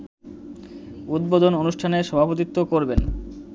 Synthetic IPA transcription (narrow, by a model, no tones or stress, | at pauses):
ud̪̚bod̪ononuʃʈʰaneɾʃɔbʱapot̪̬it̪ːokoɾben